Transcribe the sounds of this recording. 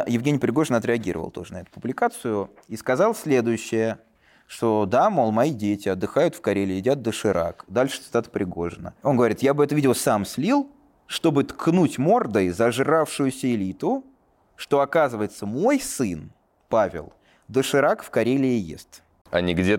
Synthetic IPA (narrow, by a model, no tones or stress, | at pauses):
jɪvɡʲenʲɪjpɾʲɪɡo̞ʐɨnəɐt̪ɾʲɪɐɡʲḭɾəvə̰lˠt̪o̞̰ʐɨnɐɛt̪ʊ̥pʊblʲɪkat̪sɨjʊ | iskɐzɑlˠsʲlʲe̞d̪ʊjʉɕːɪjə | ʂt̪o̞d̪amolˠmɐidʲetʲɪɐd̪ːɨxajʊt̪fkɐɾʲelʲɪjɪdʲat̪̚d̪əʂɨɾʔa̰kd̪alʲʂɨ̥t̪sɨ̥t̪at̪ə̥pɾʲɪɡo̞̰ʐɨnə̰o̞nɡəvɐɾʲit̪jabɨɛt̪əvʲidʲɪəsamsʲlʲilˠ | ʂt̪o̞bɨt̪kʰnutʲmo̞rd̪əjzɐʐrafʂʊjʊsʲəɪlʲit̪ʊ | ʂt̪o̞ɐkazɨvəjɪt̪səmo̞jsɨn | pavʲɪ̰lˠ | d̪əʂɨɾakfkɐɾʲelʲɪjḛsʲt̪ | ɐ̰nʲiɡdʲe